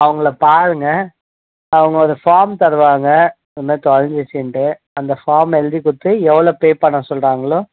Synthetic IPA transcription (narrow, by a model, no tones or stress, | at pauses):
ɐʋɐŋɡɐɭɐpaːɾɯŋɡɐ | ɐʋɐŋɡɐɔɾɯfaːɾmt̪ɐɾɯʋaːŋɡɐ | ɔðɯmeːt̪ɔɻɐɲd͡ʒɪsɪɳʈɯ | ɐnd̪ɐfaːɾmɛld̪ikʊʈ̪ːɯɛʋːɐɭoːpeːpɐɳːãːsɔlraːŋɡɐɭoː